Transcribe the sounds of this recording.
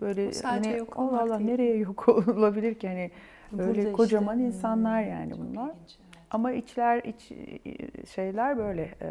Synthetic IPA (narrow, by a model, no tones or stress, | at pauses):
b̥ø̞jlʲɛhanionˠalˠːahne̞ɾejɛjokʰolˠlˠabilʲiɾcʰihanɪ | øjlʲɛkʰo̞d͡ʒamaninsanlˠaɾja̰ːnḭbunlˠaɾ̥ | amait͡ʃlʲæɾit͡ʃ | ʃe̞jlʲæɾbø̞jlʲɛ